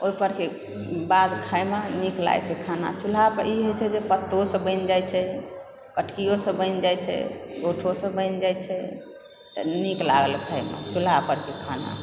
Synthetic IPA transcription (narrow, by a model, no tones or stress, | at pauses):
oipəɾke | bad̪kʰajmanikla̰jt͡ʃʰɛkʰana̰t͡ʃulapəiɦojt͡ʃʰɛd͡ʒepət̪ːosə̃bə̃ɪnd͡ʒajt͡ʃʰɛ | kəʈʰkijosə̃bə̃ɪnd͡ʒajt͡ʃʰɛ̰ɡoʈʰosə̃bə̃ɪnd͡ʒajt͡ʃʰɛ | t̪ɔ̰nikla̰ɡəlkʰajma̰t͡ʃulapəɾkekʰana̰